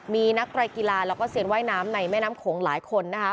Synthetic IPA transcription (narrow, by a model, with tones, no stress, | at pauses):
miː˧na˦˥k̚t̪ɾaː˧jki˧laː˧lɛː˦˥wkɔː˥˩si˨˩ənwaː˥˩jnaː˦˥mna˧jmɛː˥˩naː˦˥mkʰoː˩˦ŋla̰ː˩˦jkʰo˧nːa˦˥kʰa˦˥